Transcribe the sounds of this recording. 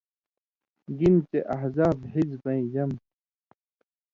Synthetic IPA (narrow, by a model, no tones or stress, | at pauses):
ɡint͡ɕeʔɐɦzaːbɦizbɐ̃ĩd͡ʑɐm